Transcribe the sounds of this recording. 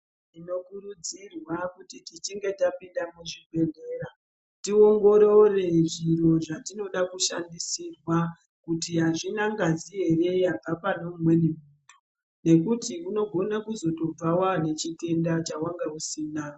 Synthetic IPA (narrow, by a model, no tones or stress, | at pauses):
ino̞kuɾud͡zirwakutitit͡ʃiŋɡe̞tapindamuʐibʱe̞ɮe̞ɾa | tio̞ŋɡo̞ɾo̞re̞ʐiɾo̞ʐatino̞ɗakuʃandisirwa | kutiɦaʐinaŋɡaziɦe̞re̞jab͡vapanomumwe̞nimuto | ne̞kutiʔuno̞ɡʱo̞nakuzo̞to̞b͡vawane̞t͡ʃite̞ndat͡ʃawaŋɡeusiːna